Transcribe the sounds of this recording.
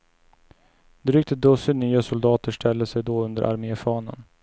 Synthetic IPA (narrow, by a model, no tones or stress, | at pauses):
d̪ɾʏk̚t̪əd̪ɵsʏnyːasʊld̪ɑːt̪əʂʈʰɛlːəsɛjd̪ɔɵnd̪ə̰ɾʔa̰ɾmeːfɑːnə̰n